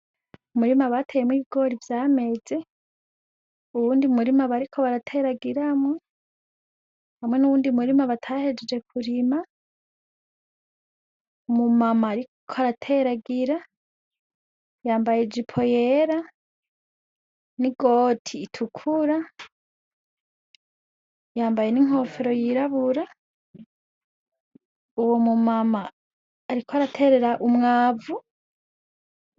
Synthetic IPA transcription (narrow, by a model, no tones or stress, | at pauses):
umuɾimaβatʰejemwiβiɡo̞ɾivjame̞ːze | uβuːndiumuɾimaβaɾikʰo̞βaɾatʰe̞ɾaɡiɾamŋe | hamŋe̞nuβuːndiumuɾimaβatʰahe̞d͡ʒed͡ʒe̞kʰuɾima | mumamaɾikʰoaɾatʰeɾaɡiɾa | jaːmbajed͡ʒipʰo̞jeɾa | niɡoːtʰiːtʰukʰuɾa | jaːmbaje̞niŋ̥ho̞feɾo̞jiɾaβuɾa | uwomumamaː | ɾikoaɾatʰe̞ɾe̞ɾaʔumŋaːvu